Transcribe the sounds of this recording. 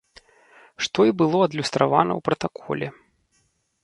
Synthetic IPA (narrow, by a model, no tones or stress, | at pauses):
ʂt̪ɔibɨlˠɔɐd̪lʲust̪ɾavanɐ̰wpɾɐt̪akʰɔ̰lʲɛ